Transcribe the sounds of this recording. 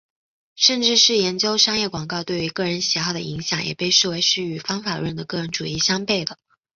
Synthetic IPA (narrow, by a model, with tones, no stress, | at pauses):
ʂə˥˧nʈ͡ʂɻ̩˥˧ʂɻ̩˥˩jɛ˧˥nt͡ɕjo˥ʊʂɑ˥ŋjɛ˥˩kwɑ˨˩ŋkɑ˥˧ʊt̪we˥˩ɪy˧˥kɤ˥˩ɻə˧˥nɕi˨˧˩xɑ˥˩ʊd̪ə̰˧i˧˥ŋɕjɑ˨˩ŋjɛ̰˨˩pe˥˧ɪʂɻ̩˥˩we˧˥ɪʂɻ̩˥˩y˨˩fɑ˥ŋfa˨˩ɻwə˥˩nd̪ə˩kɤ˥˩ɻə˧˥nʈ͡ʂu˨˩i˥˩ɕjɑ˥ŋpe˥˩ɪd̪ə˩